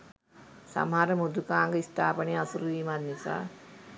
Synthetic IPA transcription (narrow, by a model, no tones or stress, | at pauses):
sa̰mɦaɾəmud̪ukaːŋɡəist̪ʰaːpəneasuɾuʋiːmat̪nisa̰ː